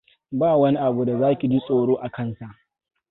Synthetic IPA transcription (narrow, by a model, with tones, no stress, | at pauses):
baː˦wɐ˦ni˦ʔa˨bu˨da˨zaː˦kʲi˨d͡ʒi˦sʼoː˨ɽoː˦ʔa˨kɐ˦nsa˨ʔ